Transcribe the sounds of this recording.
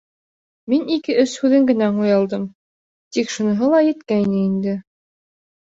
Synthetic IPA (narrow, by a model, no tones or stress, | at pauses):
minikɘʔɵshʉðɘŋɡɘ̆næɴujɑlˠd̪ɤm | t̪ikʃunɤ̆ɦɤlˠɑjɘ̆t̪kæjnɘind̪ɘ